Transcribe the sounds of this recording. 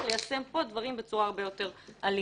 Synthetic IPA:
lejase̞mpo̞d̪vaʁimbe̞t͡suʁaːʁbejo̞te̞ʁali

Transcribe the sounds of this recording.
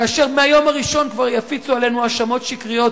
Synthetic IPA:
kaːʃe̞ʁmeajo̞maʁiʃo̞nkvaʁjafit͡suale̞nuaʃamo̞t̪ʃikʁijo̞t

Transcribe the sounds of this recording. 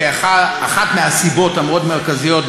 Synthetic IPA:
aχaaχatmeasibo̞tamʁotmeʁkazijo̞t̚

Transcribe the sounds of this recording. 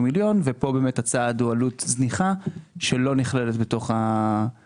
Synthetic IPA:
miljo̞nvepo̞be̞ːmethat͡saːdualut̪zniχaʃe̞lo̞niχleletbeto̞χa

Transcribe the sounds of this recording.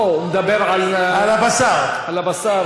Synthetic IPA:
med̪abeʁʕalalabasaʁalabasa

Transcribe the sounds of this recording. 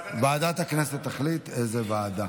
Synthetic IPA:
baːd̪at̪akneset̪ːaχlit̪ezevaːd̪a

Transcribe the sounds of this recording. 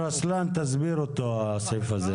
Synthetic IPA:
ɾaslant̪azbiɾot̪osejfaze

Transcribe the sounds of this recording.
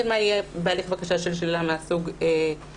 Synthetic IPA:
edmaijebealiχvakaʃaʃelʃlilameasuɡe

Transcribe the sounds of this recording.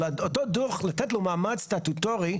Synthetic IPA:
aotoduʁχlat̪ɛtlomaːmast̪at̪utoʁi

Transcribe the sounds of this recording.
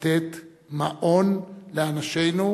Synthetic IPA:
t̪et̪ | maʔonleanaʃejnu

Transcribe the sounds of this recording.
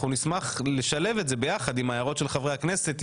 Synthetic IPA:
unismaχleʃale̞vetzebe̞jaχad̪imajaʁo̞tʃe̞lχavʁeakne̞se̞t̪

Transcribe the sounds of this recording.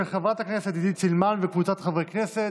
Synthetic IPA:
χavat̪aknɛset̪did̪it͡silmanvekvut͡sat̪χavʁeknɛset

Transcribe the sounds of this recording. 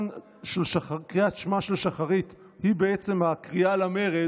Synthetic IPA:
n | ʃelʃaakʁiatʃmaʃe̞lʃaχaʁit | hibe̞et͡se̞makʁialame̞ʁe

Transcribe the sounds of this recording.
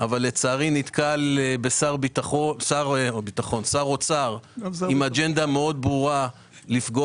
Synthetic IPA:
ʔavalːet͡saːʁinit̪kalebesaʁbit̪aχosaʁbit̪aχo̞nsaʁot͡saʁimad͡ʒe̞nd̪ame̞o̞d̪̚bʁuʁa | lifɡo

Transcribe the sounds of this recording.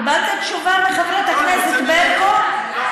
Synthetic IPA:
batekʃuvaleχevɾat̪akneset̪beɾko

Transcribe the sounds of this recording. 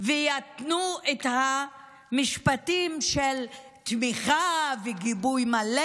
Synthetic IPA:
vejat̪nuetha | miʃpatimʃel | t̪miχaveɡibujmale

